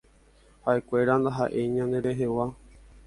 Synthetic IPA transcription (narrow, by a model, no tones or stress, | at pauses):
haʔe̞kʷe̞ɾand̪aɦa̰ʔe̞ɲãnd̪e̞ɾe̞ɦe̞wa